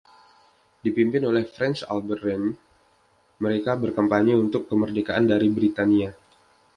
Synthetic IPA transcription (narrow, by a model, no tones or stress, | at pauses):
dipimpɪnolɛhfɾɛnsa̰lbərɛn | məɾekabərkəmpaɲiunt̪ʊkːəmərdekaʔandaɾibɾit̪ania